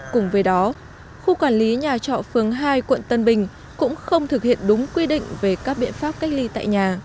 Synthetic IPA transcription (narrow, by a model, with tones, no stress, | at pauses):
kʊ˨˩ŋ͡mvəː˨˦jɗɔ˨˦ | xu˧kwaː˧˩nli˨˦ɲaː˨˩t͡ɕɔ̰˧˨fɨ˨˩əŋɦaː˧jkwə̰˧˨nt̪ə˧nɓï˨˩ŋ̟ | kʊ̰˧˥ŋ͡mxə˧wŋ͡mt̪ʰɨ˨˩k̚hḭ˧˨ənɗʊ˨˦ŋ͡mkwi˧ɗḭ̈˧˨ŋ̟ve˨˩kaː˦˥k̚ɓḭ˧˨ənfaː˦˥p̚ka˦˥jk̚li˧t̪a̰ː˧˨jɲaː˨˩